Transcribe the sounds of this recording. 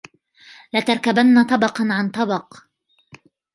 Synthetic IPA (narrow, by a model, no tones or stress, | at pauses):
lat̪ɑɾˤkabanːat̪ˤɑbɑqɑnʕant̪ˤɑbɑq